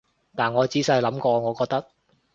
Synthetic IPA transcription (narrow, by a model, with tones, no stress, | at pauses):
t̪aː˨˩nŋɔː˨˧t͡siː˨˥sɐ˧jlɐ˨˥mkɔː˧ŋɔː˨˧kɔː˧k̚t̪ɐ˥k̚